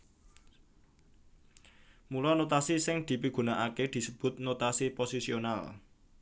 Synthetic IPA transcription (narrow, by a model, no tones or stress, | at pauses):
mulɔnot̪asisɪŋd̪̥i̤piɡ̥ṳnaʔaked̪̥i̤səb̥ʊ̤t̪̚not̪asiposisional